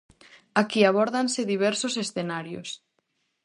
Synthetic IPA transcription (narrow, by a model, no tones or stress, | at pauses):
akiaβ̞ɔɾðanseðiβ̞ɛɾsosesθenaɾjo̰s